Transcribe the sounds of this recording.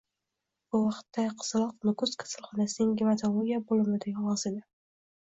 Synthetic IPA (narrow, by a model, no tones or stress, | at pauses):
bʊvɑqt̪ːaqʰɨ̥z̥lˠɒqnʊkʊzkʰḁsalˠχɒnasɪnɪŋɡʲɪmat̪ʰalˠoɾʲijabolɪmɪd̪eɡʲvɒzed̪ɪ